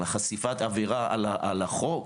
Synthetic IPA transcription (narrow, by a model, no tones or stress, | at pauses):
aχasifat̪aveʁaa̰laʔalaχok